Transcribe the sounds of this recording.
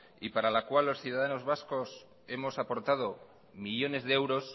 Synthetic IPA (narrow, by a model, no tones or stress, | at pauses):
ipaɾalakwalːo̞sθjuðaðano̞zβasko̞s | e̞mo̞sapo̞ɾt̪að̞o̞ | miʎo̞ne̞zðeewɾo̞s